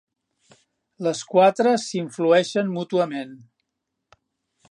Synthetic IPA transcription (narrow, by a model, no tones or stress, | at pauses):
ləskwat̪ɾəsiɱfluɛʃənmut̪uəmen